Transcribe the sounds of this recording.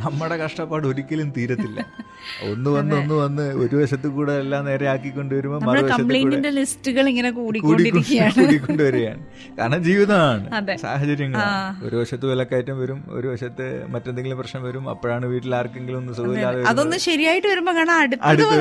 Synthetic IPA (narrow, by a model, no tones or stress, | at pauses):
nɐmːɐɽe̞kɐʂʈɐpːaːɽo̞ɾikʲːɐlumt̪iːɾɐt̪ːilːɐ | o̞̰nːɨʋɐnːɨonːɨʋɐnːɨo̞ɾubɐʂɐt̪̬ːɨkuːɽeelːaːmne̞ːɾeaːkːikʲːo̞ɳɖuʋɐɾumonɐmɐɐɽbɐkɐɐmpɭejkːnːinde̞listɨɣɐɭiŋːɐnekuːɽikuoːɽikːɖiɾʲkːoikːɐjaːuːɽikʲːoɳɖɨʋɐɾeja̰ːɳɨ | kaːɾɐɳɐmd͡ʑiːʋiðɐmaːɳɨɐðesa̰ːɦɐt͡ɕɐɾjɐŋːɐo̞̰ɾubɐʂɐt̪ːɨʋilɐkːaːjtːumʋɐɾumo̰ɾubɐʂɐt̪ːɨmɐtːend̪eŋɡilmprɐɕnɐmʋɐɾumɐ̰pːoːɻaːɳɨʋiːʈːilaːrkːe̞ŋɡilumonːɨsɐðilaːðʋɐɾɐðo̞nːɨɕɐɾijaːjiʈːɨʋɐɾumboɐŋːɐɳɐmɐɽut̪ɐɽut̪ːɐ